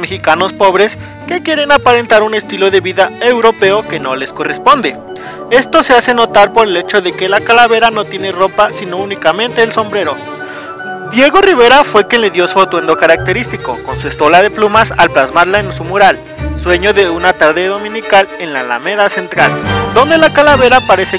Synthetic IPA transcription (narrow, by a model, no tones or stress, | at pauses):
mexikano̞spo̞βɾe̞s | ke̞kje̞ɾe̞napaɾe̞nt̪aɾune̞st̪ilo̞ðe̞βiðae̞wɾo̞pe̞o̞ke̞no̞le̞sko̞respo̞nd̪e̞ | e̞st̪o̞se̞ase̞no̞t̪aɾpo̞ɾe̞le̞t͡ʃo̞ðe̞kelakalaβe̞ɾano̞t̪jene̞ro̞pasino̞unikamẽ̞nt̪e̞ːlso̞mbɾe̞ɾo̞ | d̪je̞ɣo̞riβ̞e̞ɾafwe̞kjenle̞ðjo̞sot̪we̞nd̪o̞kaɾak̚t̪e̞ɾist̪iko̞̰ko̞nsue̞st̪o̞laðe̞plumasa̰lplazmaɾlaensumuɾal | swe̞ɲo̞ðe̞unat̪aɾðeðo̞mĩnikale̞nla̰la̰me̞ðase̞nt̪ɾald̪o̞nd̪e̞lakalaβe̞ɾapaɾe̞se